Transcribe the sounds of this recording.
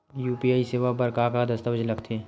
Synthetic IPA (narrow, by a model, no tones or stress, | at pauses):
juːpiaːiseːʋabəɾkakad̪ɐst̪əəd͡ʒlɐɡt̪ʰe